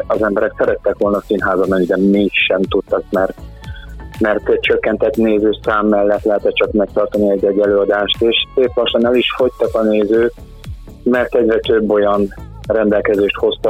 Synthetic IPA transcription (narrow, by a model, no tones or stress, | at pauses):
ɒzɛmbɛɾɛksɛɾɛt̪ːɛkʋo̞lnɒsinɦaːzɒmɛɲid̪ɛmiʃʃɛmt̪ut̪ːɒk̚mɛrt̪ | mɛrt̪ɛc̚t͡ʃø̞kːɛnt̪ɛt̪neːzøːsaːmːɛlːɛt̪lɛɦɛt̪ɛt͡ʃɒkmɛk̚t̪ɒrt̪ɒniɛɟːɛɟːɛløːɒd̪aːʃt̪eːʃseːplɒʃːɒnɛliʃfo̞ct̪ɒkɒneːzøːk | mɛrt̪ɛɟrɛt̪øbːo̞jɒnrɛnd̪ɛlkɛzeːʃt̪ho̞st̪ɒ